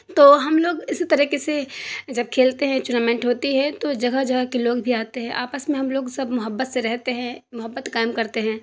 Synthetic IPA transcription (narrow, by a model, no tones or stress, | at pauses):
t̪oːɦɐmloːɡɪsit̪ɐɾiːkesed͡ʒɐb̚kʰeːlt̪eɦɛ̃t͡ʃuːnaːmɛ̃ːɳʈɦoːt̪iɦɛ̃t̪od͡ʒɐɡaɦd͡ʒɐɡakeloːɡbʱiaːt̪eɦɛ̃ʔaːpəsmẽɦɐmloːɡsɐbmʊɦəbːət̪seɾɛɦt̪eɦɛ̃mʊɦəbːət̪kaːɪmkɐɾt̪eɦɛ̃ː